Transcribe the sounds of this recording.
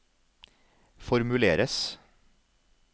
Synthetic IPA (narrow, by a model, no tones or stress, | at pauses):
fɔɾmʉleːɾəs